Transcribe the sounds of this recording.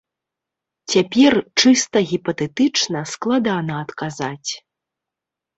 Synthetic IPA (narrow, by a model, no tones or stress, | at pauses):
t͡sʲapʲɛrt͡ʂɨst̪ɐɣʲipɐt̪ɛt̪ɨt͡ʂnɐsklˠad̪anɐːt̪kazat͡sʲ